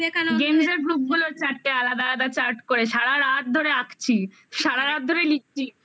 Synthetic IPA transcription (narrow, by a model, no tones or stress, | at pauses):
ekanoɡemd͡ʑeɾbɾub̚ɡuloɾt͡ɕaɾʈːealad̪ad̪at͡ɕaɾʈkoɾeʃaɽaɾat̪̚d̪ʱoɾeakʰt͡ɕʰi | ʃaɽaɾat̪̚d̪ʱoɾelik̚t͡ɕʰi